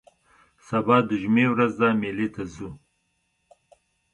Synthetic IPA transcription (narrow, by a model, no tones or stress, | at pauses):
sabɑːd̪əʒumewɾazd̪amelit̪azu